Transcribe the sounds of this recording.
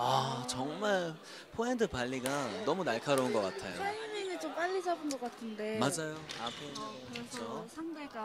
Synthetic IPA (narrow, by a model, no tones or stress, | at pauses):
at͡ɕʌŋmaɭ | pʰoentʰɯpaʎːiɡanʌmunaɭkʰaɾounɡʌk͈atʰajoamiŋit͡ɕomp͈aʎːid͡ʑʰabɯnɡʌk͈atʰɯnde̞mad͡ʑajoapʰo | t͡ɕit͡ɕʰosʰaŋde